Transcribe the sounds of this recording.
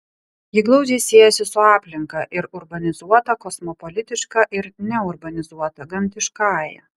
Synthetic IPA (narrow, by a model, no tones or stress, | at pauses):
jɪɡlˠɒʊd͡ʒʲɛɪsʲiɛjɛsʲɪsʊɑːpʲlʲɪŋkɐʔɪɾʊɾbɐnʲɪzuɔt̪ɐkɔsmɔpɔlʲɪt̪ʲɪʃkɑʔɪɾnʲɛʊɾbɐnʲɪzuɔt̪ɐɡɐmʲt̪ʲɪʃkɑːjɛ̰